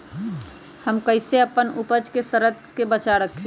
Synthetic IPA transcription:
həmkəɪseəpənupəd͡ʒkesəɾəd̪kebət͡ʃaɾək̪ʰi

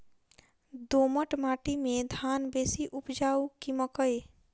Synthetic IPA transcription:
d̪oməʈmaʈimed̪ʱanbesiʔupd͡ʒaukiməkəj

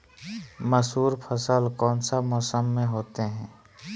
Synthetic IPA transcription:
məsɦuːɾpʰəsəlkɔːnsamɔːsəmːẽɦoːt̪eɦɛ̃ː

